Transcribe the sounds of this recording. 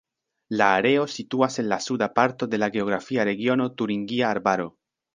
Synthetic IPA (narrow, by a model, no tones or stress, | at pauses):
laːɾe̞o̞situase̞nlasudapaɾto̞de̞laɡe̞o̞ɡɾafiaɾe̞ɡio̞no̞tuɾiŋɡiaːɾbaɾo̞